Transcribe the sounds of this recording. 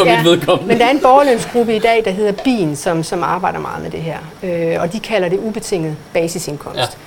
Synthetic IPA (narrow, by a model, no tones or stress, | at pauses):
jidʋe̝ðˠkʰɒ̽mmend̥ɑ̈æɐe̝nb̥ɒːløn̰sɡ̥ʁubəid̥ɛ̰ːd̥ɑ̈ɦe̝ð̰ˠɐb̥ḭːnsɒ̽msɒ̽mɑ̈ːb̥ɑ̈ɪ̰ɾ̥ɐmɑ̈ːðˠmed̥e̝ɦɛɐ̰øɒ̽d̥ikʰælɐde̝ub̥e̝t͡sʰe̝ŋ̰ð̩ˠb̥ɛːsise̝nkʰɒ̽m̰sd̥